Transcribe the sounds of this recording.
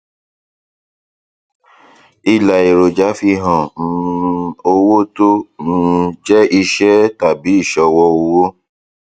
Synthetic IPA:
i˨la˨i˨ɾo˨d͡ʒa˨˦fi˧ɦɔ̃˨˦o˧wo˦to˦ũ˦˧d͡ʒɛ˦ʔi˧ʃɛ˦ta˦˨bi˨˦i˦˨ʃɔ˨˧wɔ˦o˧wo˦

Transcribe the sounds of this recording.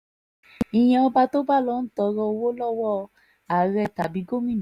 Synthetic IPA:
i˧j̃ɛ̃˧ɔ˧ba˧to˦ba˦˨lɔ˦n̩˦tɔ˧ɾɔ˧wo˦lɔ˦wɔ˦˨˧ | a˨ɾɛ˧˨ta˨bi˨˦ɡo˦mĩ˦ñ˨˦

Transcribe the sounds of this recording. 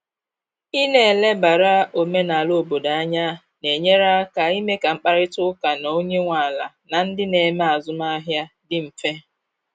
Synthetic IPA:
i˦ne˨le˦ba˨ɾa˦o˨me˦na˨lo˦˨bo˨da˨a˦ɲa˦ | ne˨ɲe˦ɾa˦ka˨i˦me˦ka˨ŋ͡m̩˦k͡pa˦ɾɪ˦tʊ˦ka˨no˦ɲe˦ŋʷa˨la˨na˨n̩˦dɪ˦ne˨me˦a˨zʊ˦ma˦ɦja˦dɪ˦m̩˨fe˦

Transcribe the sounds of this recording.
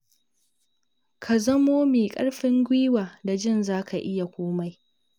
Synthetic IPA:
kʰa˨zɐ˦moː˦meː˨kʼɐ̰˦ɽɸɪ˦ŋɡʷiː˦waː˨da˨d͡ʒɪ˦˨nzaː˦kʰa˨ʔɪ˦ja˨kʷoː˦ma˦j

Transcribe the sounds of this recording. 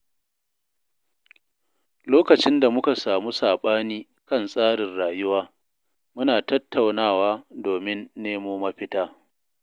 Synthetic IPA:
loː˦kɐ˨t͡ʃɪ˦nda˨mʊ˦ka˨saː˨mu˦saː˨ɓaː˦niː˦ | kɐ˦nsʼaː˦ɽɪ˨nɽaː˨jʊ˦waː˦ | mʊ˦naː˨tɐ˦tːa˨wnaː˦˨waː˦doː˨mɪ˦nːeː˦moː˦mɐ˦ɸɪ˦taː˦

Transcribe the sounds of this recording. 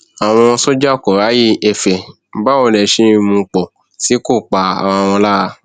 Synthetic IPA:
a˨w̃ɔ̃˧so˦d͡ʒa˦o˦˨kɔ˨ɾa˨˦ji˦ɛ˨fɛ˨˦ | ba˦o˧˨lɛ˨ʃi˧˦i˧mũ˧k͡pɔ˨ | si˨˦ko˦˨k͡pa˧a̰˨wɔ̃˧w̃ɔ̃˧la˦a˧

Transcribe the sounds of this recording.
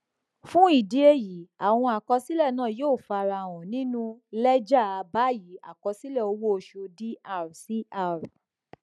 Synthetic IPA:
fũ˦i˦˨di˨˦e˧˦ji˨˦a˨w̃ɔ̃˧a˨kɔ˧si˦lɛ˦˨nãː˦˨joː˦˨fa˧ɾa˧˨w̃ɔ̃˨nĩ˦nũ˦lɛ˦d͡ʒa˦˨a˧ba˨˦˨ji˨˦a̰˨kɔ˧si˦lɛ˦˨o˧˦wo˦o˧ʃu˧di˦a˧˨ɾɔ˨si˨˦a˦˨ɾu˨

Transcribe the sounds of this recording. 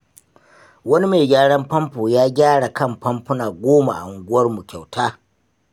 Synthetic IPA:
wɐ˦ni˦meː˨ɡʲaː˦ɽɐ˦mpɐ˦mpoː˨jaː˦ɡʲaː˦ɽa˨kɐ˦˨mpɐ˦mɸʊ˦naː˨ɡʷoː˦ma̰˨ʔa̰˨ʊ˨ŋɡʷʊ˦ɐ˦rmu˨kʲa˨wtʰaː˦

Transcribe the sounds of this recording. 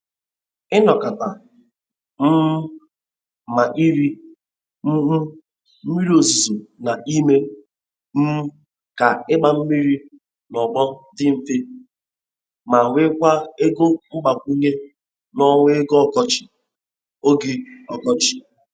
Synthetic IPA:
ɪ˦nɔ˨ka˨ta˨ | m̩˦ | ma˨ʔi˦ɾi˦ | m̩˦ɦ̩˦ | m̩˦mi˦ɾi˦o˨zu˨zo˨na˨ʔi˦me˦ | m̩˦ | ka˨ɪ˦ɡ͡ba˨m̩˦mi˦ɾi˦ | nɔ˨ɡ͡bɔ˦dɪ˦m̩˨fe˦ | ma˨wʷe˦kʷa˦e˦ɡo˦ŋ͡m̩˦ɡ͡ba˨kʷi˦ɲe˦ | nɔ˦ŋʷe˦ɡo˦ɔ˨kɔ˦t͡ʃɪ̥˨ | o˦ɡe˦ɔ˨kɔ˦t͡ʃɪ̥˨

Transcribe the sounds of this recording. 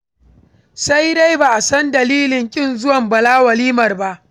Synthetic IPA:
sa˦jda˦jbaː˨ʔa˨sɐ˦ndɐ˨liː˦lɪ˨ŋkʲʼɪ˦˨nzʊ˦wɐ˨mbɐ˨laː˦wɐ˨liː˦mɐ˨rba˦ʔ

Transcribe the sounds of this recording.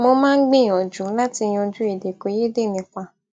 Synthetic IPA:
mo˧mãː˦ɡ͡bẽ˦˨ɔ˨d͡ʒu˨˦la˦ti˧j̃ɔ̃˧d͡ʒu˦e˨de˨ko˧˦je˦de˦˨nĩ˧kʷa˧

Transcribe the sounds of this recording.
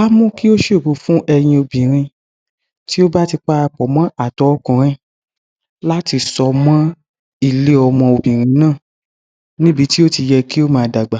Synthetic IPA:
a˦mũ˦ki˦o˦ʃo˦˨bo˨˧fũ˦ʔɛ˧j̃ĩ˧o˧bĩ˨ɾ̃ĩ˧ | ti˦o˦ba˦ti˧k͡pa˦ɾa˧k͡pɔ˨˦mɔ̃˦a˦˨tɔ˨˦kũ˨ɾ̃ĩ˦˨ | la˦ti˧sɔ˧mɔ̃˦ | i˦˨le˨˦ɔ˧mɔ̃˧o˧bĩ˨ɾ̃ĩ˨˦nãː˦˨ | nĩ˦bi˨˦ti˦o˦ti˧jɛ˧ki˦o˦mãː˨˧da˨ɡ͡ba˨

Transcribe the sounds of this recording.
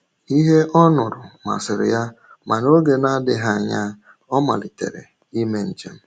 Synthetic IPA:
i˦ɦe˦ʔɔ˦nʊ˨ɾʊ˨ma̰˨sɪ˨ɾɪ̰˨ja˦ | ma˨no˦ɡe˨na˦dɪ˨ɦa˦˨ɲa˦ | ɔ˦ma̰˨li˨tḛ˨ɾḛ˨ | i˦me˦n̩˨d͡ʒḛ˨m̩˨

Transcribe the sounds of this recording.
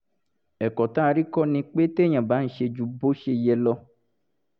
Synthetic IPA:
ɛ˨kɔ˨t̪ã˦˨ɾi˦kɔ˦nĩ˨k͡pe˦t̪e˦ɲã˨ba˨˦ŋ̩˨˦ʃe˨d͡ʒu˨bo˦ʃe˨jɛ˨lɔ˦

